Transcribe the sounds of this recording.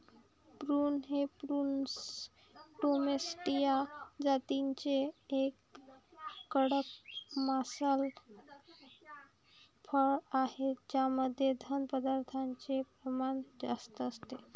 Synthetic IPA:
pɾuːnɦepɾun | ʈomesʈijad͡zat̪iɲt͡ɕeːkː | əɽəkmasal | fʰəɭahed͡ʑjaməd̪ʱːjed̪ʱənpəd̪aɾt̪ʰaɲt͡sepɾəmaɳd͡zast̪əːst̪e

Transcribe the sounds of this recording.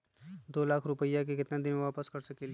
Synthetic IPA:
d̪oːlaːkʰɾʊpəjak̬ekɪt̪nad̪ɪnʋaːpəskɐɾsɐkeli

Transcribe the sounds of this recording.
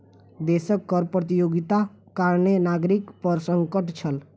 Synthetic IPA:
d̪esəkːəɾpɾət̪̬ijoɡit̪a | kaɾnenaɡɾikpəɾsəŋkəʈt͡ʃʰəl

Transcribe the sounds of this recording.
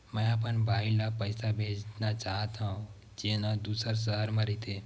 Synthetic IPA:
mə̃apənbʱailapəjsabʱed͡ʒnat͡ʃaɦət̪aũ | d͡ʒenad̪usəɾs̬əɦəɾmãɾit̪ʰe

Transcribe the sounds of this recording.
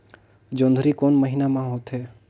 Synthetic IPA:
d͡ʒõːnd̪ʱəɾikoːnməɦinamãɦoːt̪ɦɛː

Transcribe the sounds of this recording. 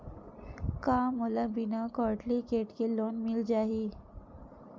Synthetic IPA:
kaməlabinakɔɾʈlikeʈkelonmild͡ʑaɦi

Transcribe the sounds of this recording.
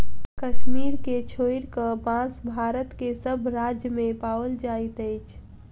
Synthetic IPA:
kəʃmiːɾket͡ʃʰoiɾkəpãsbʱaːɾət̪kesəbʱɾad͡ʒjəmẽpaːʋəld͡ʒait̪əjt͡ʃʰ

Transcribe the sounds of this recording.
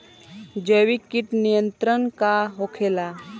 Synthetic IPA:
d͡ʒəʋikiʈnijənt̪ɾənkaɦokʰela

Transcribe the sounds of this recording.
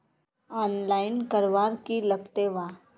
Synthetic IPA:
ɔːnlaːɪnkəɾʋaːɾkiləkt̪eʋaː

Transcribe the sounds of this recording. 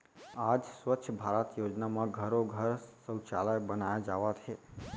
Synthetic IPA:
ad͡ʒsʋətːʃʰəbʱaɾət̪jod͡ʒnamãɡʱəɾoɡʱəɾsə̃wt͡ʃa̰ləjbənajad͡ʒaʋat͡ʃʰe

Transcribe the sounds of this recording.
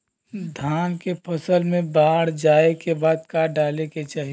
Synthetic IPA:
d̪ʱaːnkepʰəsəlmẽbaːɽd͡ʒaːekebaːd̪̚kaːɖaːleket͡ʃaːɦi

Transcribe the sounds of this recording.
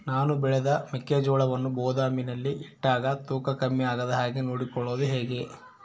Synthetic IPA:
naːnubɛɭɛd̪ɐmɛkːeːd͡ʒɔːɭɐʋɐnːubɔːd̪aːminɐlːiʔiʈːaːɡɐt̪uːkɐkɐmːiaːɡɐd̪ɐɦaːɡenoːɽikɔɭːoːd̪uɦe̞ːɡe

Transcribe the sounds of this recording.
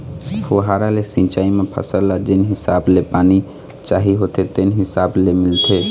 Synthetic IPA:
fʰoɦaːɾalesɪ̃t͡ʃaːimẽpʰə̰səlad͡ʒɪnɦɪsaːblepaːni | t͡ʃaːɦiɦot̪ʰet̪enɦɪsaːblemɪlt̪ʰe

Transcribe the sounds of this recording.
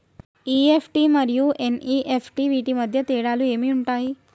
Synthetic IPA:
iefʈiməɾjuʔeniʔefʈiʋiʈiməd̪ʱjət̪eɽalũemiuɳʈaɦi

